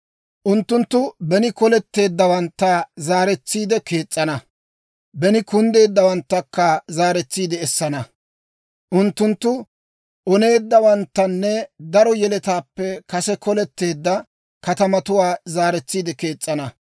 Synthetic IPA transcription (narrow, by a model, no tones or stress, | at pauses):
ʔʊnt̪ːʊnt̪ːʊbɛnɪkɔlɛt̪ːe̞ːd̪ːɐwɐnt̪ːazaːɾɛt͡sːiːd̪ɛke̞ːt͡sʼːɐnɐ | bɛnɪkʊnd̪e̞ːd̪ːɐwɐnt̪ːɐkːɐzaːɾɛt͡sːiːd̪ɛːsːɐnɐ | ʔʊnt̪ːʊnt̪ːʊ | ʔɔne̞ːd̪ːɐwɐnt̪ːɐnːɛd̪ɐɾɔjɛlɛt̪aːpːɛkɐsɛkɔlɛt̪ːe̞ːd̪ːɐ | kɐt̪ɐmɐt̪ʊwaːzaːɾɛt͡sːiːd̪ɛke̞ːt͡sʼːɐnɐ